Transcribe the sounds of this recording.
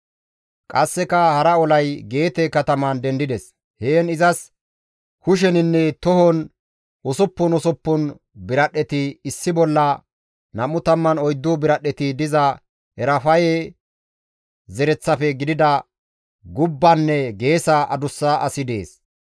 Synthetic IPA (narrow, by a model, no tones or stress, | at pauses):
kʼɐsːɛkɐhɐɾɐɔlɐjɡe̞ːt̪ɛkɐt̪ɐmɐnd̪ɛnd̪ɪd̪ɛs | heːnɪzɐs | hʊʃ̬ɛnɪnːɛt̪ɔhɔn | ʔɔsɔpːʊnɔsɔpːʊn | bɪɾɐɗːɛt̪ɪːsːɪbɔlːɐ | nɐmʊt̪ɐmːɐnɔjd̪ːʊbɪɾɐɗːɛt̪ɪd̪ɪzɐ | ɛɾɐfɐjɛ | zɛɾɛt͡sːɐfɛɡɪd̪ɪd̪ɐ | ɡʊbːɐnːɛɡe̞ːsɐʔɐd̪ʊsːaʔɐsɪd̪ḛːs